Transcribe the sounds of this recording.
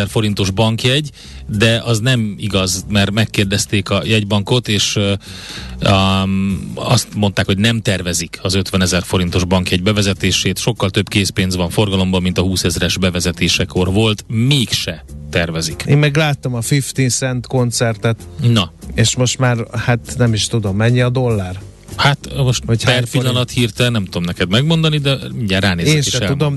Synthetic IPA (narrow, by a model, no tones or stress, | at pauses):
ɛrfo̞ɾin̪t̪o̞ʒbɒŋkjɛɟ | d̪ɛɒznɛmiɡɒzmɛrmɛkːeːrd̪ɛst̪eːkɒjɛɟbɒŋko̞t̪eːʃ | ɒst̪mo̞nt̪aːkhoɟnɛmt̪ɛrvɛzikʰɒzø̞t̪ʋɛnɛzɛrfo̞ɾint̪o̞ʒbɒŋkjɛɟ̚bɛvɛzɛt̪eːʃeːt̪ʃo̞kːɒlt̪øbkeːspeːnzvɒɱfo̞rɡɒlo̞mbɒmːint̪ɒɦuːsɛzɾɛʒbɛvɛzɛt̪eːʃɛko̞rvo̞lt̪meːkʃɛt̪ɛrvɛzikḛːmmɛɡlaːt̪ːomɒfift̪isɛnt̪ko̞nt̪sɛrt̪ɛt̪nɒeːʃmo̞ʃt̪maːrhat̪nɛmiʃt̪ud̪o̞mːɛɲːiɒd̪o̞lːaːr | hat̪moʃt̪hocpɛrpilːɒnɒt̪hiːrt̪ɛlnɛmt̪ud̪o̞mnɛkɛd̪mɛɡmo̞nd̪ɒnid̪ɛmiɲɟaːraːneːeːɛnʃʃɛɛlud̪om